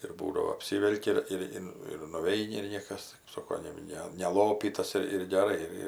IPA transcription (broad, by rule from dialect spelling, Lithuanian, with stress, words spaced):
ɪr ˈbuːdɐʋoː ɐpʲˈsʲiːʋʲɛlʲkʲɪ ˈɪr ɪr ˈɪn ɪr nʊˈʋʲɛɪnʲɪ ɪr ˈnʲiɛkɐs kɜp ˈsoːkoː jɛʊ ˈnʲɛ nʲɛˈlˠoːpʲiːtɐs ɪr ɪr ɡʲɛˈrɐɪ ɪr ˈɪr